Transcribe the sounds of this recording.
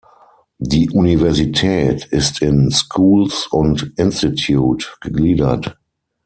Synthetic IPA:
diːʔunivɛɐzitʰɛːtɪstʰɪnskʰuːlsʊ̃ntʔɪ̃nstitʰjuːtɡ̥əɡliːdɐ̰t

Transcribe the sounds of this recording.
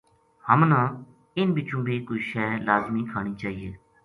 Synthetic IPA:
həmnãː | ɪnbɪt͡ʃũːbiːkoiʃɛːlaːzmiːkʰaːɳ̃iːt͡ʃaːɦiːeː

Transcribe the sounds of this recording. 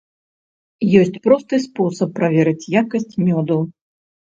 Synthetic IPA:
jɔsʲt͡sʲpɾɔst̪ɨspɔsɐpːɾavʲɛɾɨt͡sʲjakɐsʲt͡sʲmʲɔd̪ɐw

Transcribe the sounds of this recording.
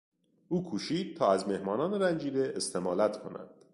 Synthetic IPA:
ʔuːkʰuːʃiːd̪̥̚t̪ʰɒːæzme̞hmɒːnɒːneɾænd͡ʒiːd̪eest̪ʰe̞mɒːlæt̪ʰkʰo̞̰næ̰nd̪̥

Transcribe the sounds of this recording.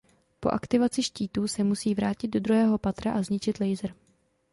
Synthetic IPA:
po̞ʔakt̪ɪvat͡sɪʃciːt̪uːsɛmusiːvɾaːcɪd̪̚do̞dɾuɦɛːɦo̞pat̪ɾaʔazɲɪt͡ʃɪt̪lɛjzɾ

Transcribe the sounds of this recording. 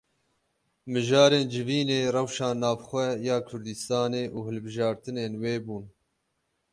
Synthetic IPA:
mɨʒɑːɾeːnd͡ʒɪviːneːrɛwʃɑːnɑːvxʷɛjɑːkʰʊɾd̪ɨst̪ɑːneːʔuːhɨlbɨʒɑːɾt̪ɨneːnweːbuːn

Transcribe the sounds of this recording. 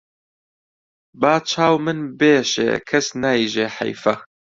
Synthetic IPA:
baːt͡ʃʰaːwmɨnbeːʃḛːkʰɐsnaːjiʒeːħɐ̰jfɐ

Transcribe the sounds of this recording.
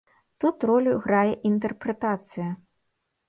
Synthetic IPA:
t̪ut̪rɔlʲuɣɾajɛʔint̪̬ɛrpɾɛt̪at̪sɨjɐ

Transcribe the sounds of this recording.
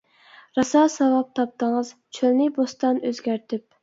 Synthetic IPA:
ɾɑsɑsɑwɑp̚t̪ʰɑp̚t̪ʰəŋɨzt͡ʃʰølnɪbost̪ɑnøzɡʲæɾt̪ʰɪp̚

